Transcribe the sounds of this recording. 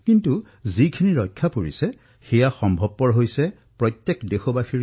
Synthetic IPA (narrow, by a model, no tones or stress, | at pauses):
kintu | zikʰiniɹɔjkʰːapoɹḭsɛ | xɛjaxɔmbʱɔb̚ːɔɹɦojsɛ | pɹɔtjɛkdexobaxiɹ